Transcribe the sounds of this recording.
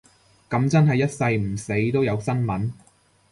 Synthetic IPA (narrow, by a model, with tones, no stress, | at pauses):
kɐ˨˧˥mt͡sɐ˥nɦɐ˨jɐ˥t̚sɐ˧jm̩˨˩se˨˥jt̪o˥wjɐ˨˧wsɐ˥nmɐ˨˥n